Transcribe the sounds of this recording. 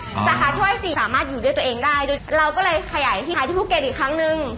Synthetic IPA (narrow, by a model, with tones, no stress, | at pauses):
saː˨˦kaː˧˥t͡ɕʰɔ˥˩jsiː˨˩saː˩˦maː˥˩t̪̚juː˨˩du˥˩t̪ʔeː˧ŋdaː˥˩jdoː˧jɾa˧wkɔː˥˩lɤː˧jkʰa˧jaː˩˦jt̪ʰiː˥˩˧iː˦˥˩u˥˩kːe˧nʔiː˨˩kʰɾa˦˥ŋnɯ˨˧ŋ